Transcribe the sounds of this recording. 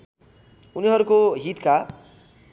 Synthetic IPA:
uniɦʌɾukoɦit̪ka

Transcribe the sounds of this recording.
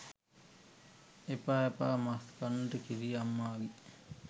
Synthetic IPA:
epaepa̰ːmaskanːəʈəkiɾijamːaːɡi

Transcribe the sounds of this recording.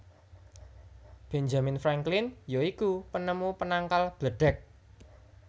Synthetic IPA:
b̥end͡ʒaminfɾaŋklɪnjoikupənəmupənaŋkalb̥ləɖ̥ɛk̚

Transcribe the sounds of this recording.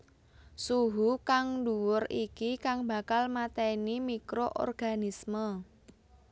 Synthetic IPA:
suɦukaŋɖuwʊrikikaŋba̤kalmat̪ɛnimikɾoʔɔ̰rɡ̥a̤nismə

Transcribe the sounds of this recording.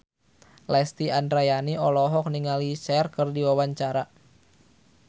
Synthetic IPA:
lɛst̪iandɾajaniɔlɔɦɔk̚niŋalisɛrkɨrdiwawaɲt͡ʃaɾa

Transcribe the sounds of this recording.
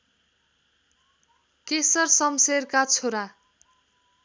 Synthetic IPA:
kesʌrsʌmserkat͡sʰoɾa

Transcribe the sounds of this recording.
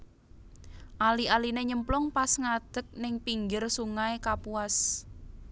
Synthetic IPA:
ʔalialineɲəmplʊŋpasŋad̪̥ə̤k̚nɪŋpiŋɡɪrsuŋaekapuas

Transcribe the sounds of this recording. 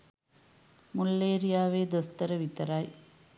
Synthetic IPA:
mʊlːeːɾɪjaːʋeːd̪ɔst̪ɐɾɐʋɪt̪ːɐɾaːj

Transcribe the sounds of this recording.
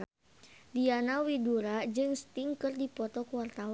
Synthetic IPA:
dianawiduɾad͡ʒɨŋst̪iŋkɨrdipɔt̪ɔkuwart̪awa

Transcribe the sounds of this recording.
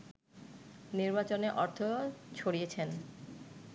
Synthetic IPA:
niɾbat͡ɕoneʔɔɾt̪ʰot͡ɕʰoɽiet͡ɕʰen

